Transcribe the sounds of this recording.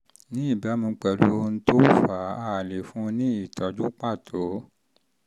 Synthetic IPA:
nĩ˨˦i˦˨ba˨˦mĩ˧˦k͡pɛ˨˧lu˦n̩˦to˦fa˨˦a˦˨le˨fũ˦nĩ˦i˦˨tɔ˨d͡ʒu˦k͡pa˦˨tʰo˨˦

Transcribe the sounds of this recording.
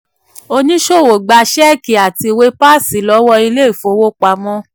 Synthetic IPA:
o˧nĩ˦ʃo˦˨wo˨ɡ͡ba˧ʃɛ˦˨ki˨a˨ti˧we˦pa˦˨si˨˦lɔ˨˦wɔ˧i˧le˦i˦˨fo˧˦wo˦k͡pa˧mɔ̃˦

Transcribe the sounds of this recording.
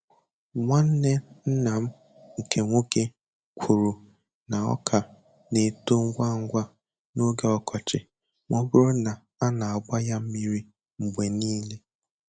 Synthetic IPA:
ŋʷa˦n̩˦ne˦n̩˦na˨m̩˦ | ŋ̩˨kʰe˨ŋʷo˦ke˦ | kʷʰu˨ɾu˨ | na˨ɔ̰˦kʰa˨ | ne˨to˦ŋ̩˦ɡʷa˦ŋ̩˦ɡʷa˦ | no˦ɡe˨ɔ˨kʰɔ˨t͡ʃɪ˨ | ŋʷɔ˦bʊ˦ɾʊ˦na˨ | a˦na˨a˨ɡ͡ba˦ja˦m̩˦mi˦ɾi˦ | ŋ͡m̩˨ɡ͡bʷe˨niː˦le˦

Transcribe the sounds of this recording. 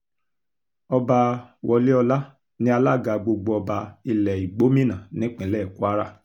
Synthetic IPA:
ɔ˧ba˧wɔ˧li˦ɔ˧la˦ | nĩ˧˦a˧la˦˨ɡa˧ɡ͡bo˧ɡ͡bo˧ɔ˧ba˧i˧lɛ˨i˨ɡ͡bo˨˦mĩ˦nã˨nĩ˨˦k͡pĩ˨˦lɛ˦˨ku˦a˦ɾa̰˦˨

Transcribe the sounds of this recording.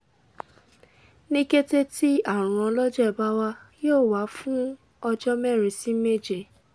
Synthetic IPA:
nĩ˦ɡe˦te˦ti˦a˦˨ɾ̃ɔ̃˧lɔ˦d͡ʒɛ˦˨ba˦wa˦joː˦˨wa˨˦fũ˦ | ɔ˧d͡ʒɔ˦mɛ˦˨ɾ̃ĩ˧si˦me˦˨d͡ʒe˦˨

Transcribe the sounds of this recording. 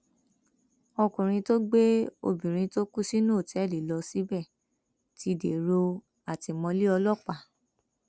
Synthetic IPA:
ɔ˧kũ˨ɾ̃ĩ˧to˦ɡ͡be˦o̰˧bĩ˨ɾ̃ĩ˧to˦ku˦si˦nũ˦o˦˨tɛ˨˦˨li˨lɔ˧si˨˦bɛ˦˨ | ti˧˨dḛ˨ɾo˧ | a˨ti˧mɔ̃˧li˦ɔ˧lɔ˦˨k͡pa˨

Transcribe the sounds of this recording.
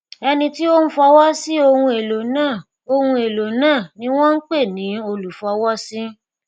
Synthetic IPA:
ɛ˧nĩ˧ti˦o˦n̩˦fɔ˧wɔ˦si˦o˧hũ˧e˨lo˨nãː˦˨ | o˧hũ˧e˨lo˨nãː˦˨nĩ˦w̃ɔ̃˦n̩˦k͡pe˦˨nĩ˨˦o˧lu˨fɔ˧wɔ˦si˦

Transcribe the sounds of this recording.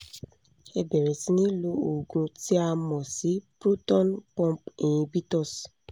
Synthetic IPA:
e˨be˨ɾe˨si˦nĩ˦lu˦o˨ɡũ˧ti˦a˧mɔ̃˨si˨˦pɾu˦tɔ˦npɔ̃˦pĩ˨ĩ˨bi˦tɔ˦s

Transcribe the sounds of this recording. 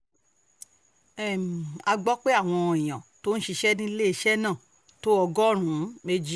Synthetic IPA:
ɛ˨mĩ˨a˧ɡ͡bɔ˦k͡pe˦a˦˨w̃ɔ̃˧˨ĩ˨j̃ã˨to˦n̩˦ʃi˧ʃɛ˦nĩ˦le˦i˧ʃɛ˦nãː˦˨ | to˦ɔ˧ɡɔ˦ɾ̃ũ˨˦me˧d͡ʒi˦

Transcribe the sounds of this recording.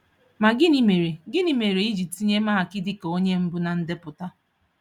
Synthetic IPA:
ma˨ɡɪ˦ni˨me˨ɾe˨ɡɪ˦ni˨me˨ɾe˨i˦d͡ʒi˨ti˦ɲe˦ma˦˨kɪ˦dɪ˦ko˦ɲe˦m̩˦bʊ˦na˨n̩˦dɪ˦pʊ˨ta˦

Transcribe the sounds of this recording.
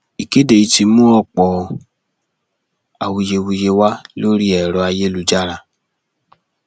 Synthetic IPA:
i˨ke˦de˨i˧ti˧mũ˦ɔ˦˨k͡pɔ˨ | a˨wu˧je˧wu˧je˧wa˦lo˦ɾi˦ɛ˨ɾɔ˨˧a˧je˦lu˨˧d͡ʒa˦˨ɾa˧

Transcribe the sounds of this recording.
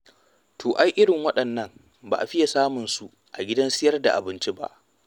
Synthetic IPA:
tʰoː˨ʔa˦jʔɪ˦ɽɪ˨ŋwɐ˦ɗɐ˨nːɐ˦m | ba̰˨ʔa˨ɸɪ˦ja˨saː˦mʊ˨nsu˨ | ʔa˨ɡʲɪ˦dɐ˦nsɪ˦jɐ˦rda̰˨ʔa̰˨bɪ˦nt͡ʃi˦ba̰˦ʔ

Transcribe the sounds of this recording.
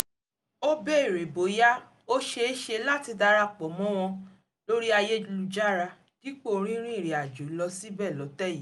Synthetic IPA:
o˦be˦i˦˨ɾe˨bo˨ja˦ | o˦ʃe˧e˦ʃe˧la˦ti˧da˧ɾa˧k͡pɔ˨˦mɔ̃˦w̃ɔ̃˧ | lo˦ɾi˦a˧je˦lu˧d͡ʒa˦ɾa˧ | ɡ̥i˦k͡po˦˨˦ɾ̃ĩ˦ɾ̃ĩ˦i˦˨ɾi˨a˨d͡ʒu˨˦lɔ˧si˦bɛ˦˨lɔ˨˦tɛ˦ji˨˦

